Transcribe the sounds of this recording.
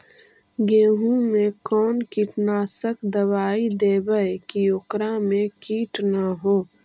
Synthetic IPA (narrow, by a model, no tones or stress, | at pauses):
ɡeːɦũmẽkɔːnkiːʈnaːsəkd̪əwaːid̪eːbəjkijokɾamẽkiːʈnaɦoː